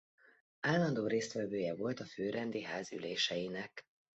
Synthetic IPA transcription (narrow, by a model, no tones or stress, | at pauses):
aːlːɒnd̪oːɾeːst̪ʋɛvøːjɛvo̞lt̪ɒføːɾɛnd̪iɦaːzy̰leːʃɛjinɛk